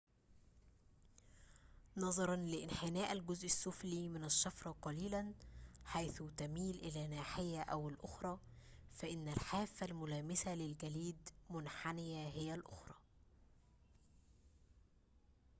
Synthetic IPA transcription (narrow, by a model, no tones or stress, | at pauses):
nɑðˤɑɾˤɑnlɪʔɪnħɪnæːʔælɡʊzʔɪsːʊfliːmɪnæʃːɑfɾˤɑqɑliːlænħajθʊt̪æmiːlʔɪlæːnaːħɪjːæʔæwɪlʔʊxɾˤɑːfæʔɪnːælħaːfːælmʊlæːmɪsælɪlɡæliːd̪mʊnħanɪjæɦɪjælʔʊxɾˤɑː